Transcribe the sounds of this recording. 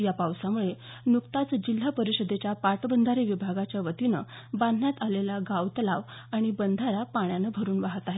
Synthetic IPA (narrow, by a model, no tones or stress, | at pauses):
japawsamuɭe | nukt̪at͡sd͡ʑil̤ːapəɾiɕəd̪ʱet͡ɕjapaɾʈəbənd̪ʱaɾiʋibʱaɡat͡ɕjaʋət̪inə̰ | band̪ʱnjat̪alelaɡawt̪əlaʋ | aɽ̃ibənd̪ʱaɾapaɳ̃janəbʱəɾuːnʋaɦət̪aɦe